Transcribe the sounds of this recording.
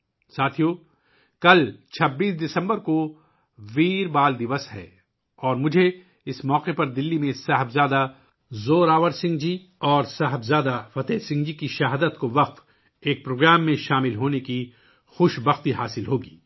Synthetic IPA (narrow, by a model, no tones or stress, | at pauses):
saːt̪ʰijoː | kɐlt͡ʃʰɐbːiːsd̪ɪsə̃mbəɾko | ʋiːɾbaːld̪ɪʋəsɦɛ̰ː | ɔːɾmʊd͡ʒʱe | ɪsmɔːqepɐɾd̪ɪlːimẽsaɦəbzaːd̪a | zoːɾaːʋəɾsɪ̃ŋɡd͡ʒi | ɔːɾsaɦəbzaːd̪afɐt̪ɛːsɪ̃ŋɡd͡ʒikiʃɐɦaːd̪ət̪koʋɐqt̪ | eːk̚pɾoːɡɾaːmːẽʃaːmɪlɦoːneki | xʊʃbɐxt̪iɦaːsɪlɦoːɡiː